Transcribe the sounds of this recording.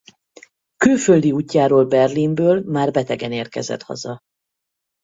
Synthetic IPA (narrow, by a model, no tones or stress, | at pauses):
kyːlføld̪iuːcːaːɾoːlbɛrlimbøːlmaːrbɛt̪ɛɡɛneːrkɛ̰zɛ̰t̪hɒ̰zɒ